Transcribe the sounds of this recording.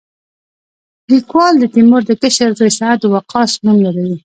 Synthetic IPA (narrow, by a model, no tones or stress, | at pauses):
likwɑld̪ət̪imʊɾd̪əkəʃaɾzajsaat̪əwaqʰɑsmumlaɾawi